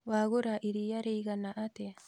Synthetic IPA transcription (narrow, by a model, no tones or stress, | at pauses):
waːɡʊɾaʔiɾijaɾiɡɐnaʔat̪e